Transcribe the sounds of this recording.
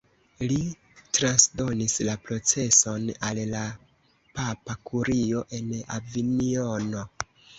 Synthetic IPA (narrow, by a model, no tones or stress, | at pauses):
li | tɾansdo̞nislapɾo̞t͡se̞so̞nalla | papakʰuɾio̞ʔe̞na̰vinio̞no̞